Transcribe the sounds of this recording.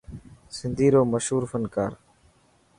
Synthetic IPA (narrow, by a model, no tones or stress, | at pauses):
sɪnd̪ʱiːɾoːməʃɦuːɾfənkaːɾ